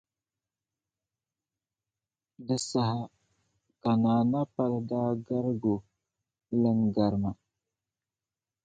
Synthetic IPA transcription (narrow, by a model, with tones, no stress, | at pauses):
dɨ˨sa˨ɦa˨ | ka˨naː˨na˦pa˦ldaː˦ɡa˦ɾɡo˨ | lɨ˦ŋɡa˨ɾma˨